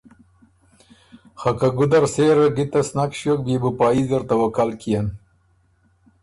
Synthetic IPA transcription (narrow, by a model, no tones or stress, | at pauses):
xakaɡʊd̪ɐɾseːɾɐɡit̪ɐsnakʃjok̚bebupɑːizəɾt̪ɐwɐkalkijan